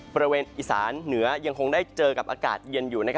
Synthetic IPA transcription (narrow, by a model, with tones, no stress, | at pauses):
bɔ˧ɾa˧weː˧nʔiː˨˩sa̰ː˩˦nːɯ˩˦ɐja˧ŋkʰo˧ŋdaː˥˩jt͡ɕɤː˧ka˨˩p̚ʔaː˧ka̰ː˨˩t̪̚jɤ˧njuː˨˩na˦˥kʰ